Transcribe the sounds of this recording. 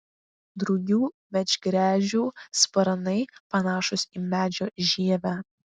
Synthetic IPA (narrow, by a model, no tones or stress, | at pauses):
d̪ɾʊɡʲuː | mʲɛd͡ʒʲɡɾʲæːʒʲuːspɐɾɐnɐɪpɐnɑːʃʊsiːmʲæːd͡ʒʲoːʒʲiɛʋʲæː